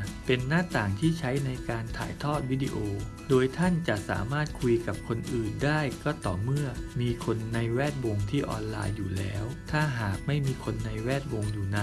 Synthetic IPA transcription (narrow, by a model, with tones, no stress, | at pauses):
pe˧nːaː˥˩t̪aː˨˩ŋt̪ʰiː˥˩t͡ɕʰa˦˥jna˧jkaː˧nt̪ʰa̰ː˩˦jt̪ʰɔː˥˩t̪̚wi˦˥˩dḭ˧˥ʔoː˧ | doː˧jt̪ʰa˥˩nt͡ɕa˨˩ʔsa̰ː˩˦maː˥˩t̪̚kʰu˧jka˨˩p̚kʰo˧nʔɯː˨˩ndaː˥˩jkɔː˥˩t̪ɔː˨˩mɯ˥˩ɐmiː˧kʰo˧nːa˧jwɛː˥˩t̪̚wo˧ŋt̪ʰiː˥˩ʔɔ̰ː˧nla̰ː˧jːuː˨˩lɛ̰ː˦˥wt̪ʰaː˥˩ɦaː˨˩k̚ma˥˩jmiː˧kʰo˧nːa˧jwɛː˥˩t̪̚wo˧ŋjuː˨˩na˧˥˩